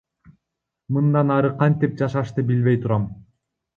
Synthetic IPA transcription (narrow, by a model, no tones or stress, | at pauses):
mɯnd̪ɑnɑɾɯqʰɑnt̪ip̚d͡ʒɑʃɑʃt̪ɯbilβe̞jt̪ʰuɾɑm